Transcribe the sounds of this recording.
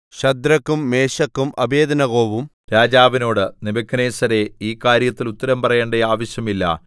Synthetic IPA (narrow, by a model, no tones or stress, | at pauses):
ɕɐd̪ɾɐkːumːe̞ːɕɐkːumʔɐbe̞ːd̪ɐnɐɣo̞ːʋum | ɾaːd͡ʑaːʋino̞ːɽɨnibɐkʰːɐneːsɐɾe̞iːkaːɾjɐt̪ːilut̪ːɐɾɐmpɐrɐjeːɳɖɐjaːʋɐɕjɐmilːɐ̰